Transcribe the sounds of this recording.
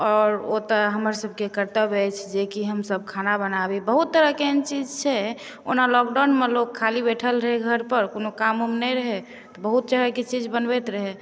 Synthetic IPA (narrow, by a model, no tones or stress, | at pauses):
ɔːɾot̪əɦəməɾsəb̚ʱkekəɾt̪əbɛt͡ʃʰd͡ʒekiɦəmsəb̚kʰanabənabibəɦut̪ːəɾəkent͡ʃid͡ʒt͡ʃʰɛ | o̰nalɔk̚ɖanmelokʰːalibeʈʰəlɾəɦeɡʱəɾpəɾkonokamumnɛɾəɦɛ | t̪ɔbəɦut̪̚t͡ʃəɦɾəket͡ʃid͡ʒbənbɛt̪ɾəɦɛ